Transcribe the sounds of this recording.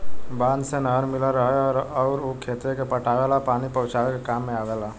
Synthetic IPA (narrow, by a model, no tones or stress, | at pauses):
bãːnd̪senəɾmɪlaɾəɦɛɔːɾɔːɾokʰeːt̪ɾekepəʈʰaːʋɛlapaːnipəʊt͡ʃaʋekekaːmːẽaːʋɛːla